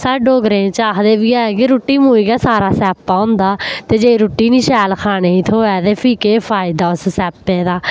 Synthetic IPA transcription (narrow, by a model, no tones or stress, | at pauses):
saːɖoːɡɾẽːt͡ʃaːkd̪eːʋiːaːɛkɪɾoːʈːiːmuːiːɡɛːsaːɾaːsɛːpːaːʊ̃nd̪aːt̪eːd͡ʒeːiɾoːʈːiːnĩːʃɛːlkʰaːneːiːt̪ʰoːɛːt̪eːpʰiːkeːpʰaːɪd̪aːʊssɛːpːeːd̪aː